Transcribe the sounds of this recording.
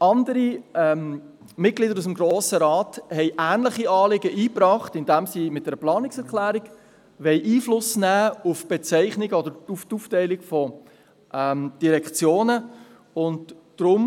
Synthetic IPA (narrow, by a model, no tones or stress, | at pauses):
ʔɑndəɾiɛm | mɪt̚ɡlidəɾusəm̩ɡɾoːsəɾɑːthɛɪʔæːnləχiɑːlɪɡəʔiːpɾɑːχtɪndɛmsimɪt̚d̥ɛɾəplɑːnɪksɛɾklæːɾiɡ̥ | ʋɛɪʔiːflʊsnæːufb̥ɛt͡sɛɪχnɪɡəɔd̪əɾutuːftɛɪlɪɡfɔ | ʔɛmd̥iɾɛkχt͡sjoːnə | ʊnd | d̥ɾʊm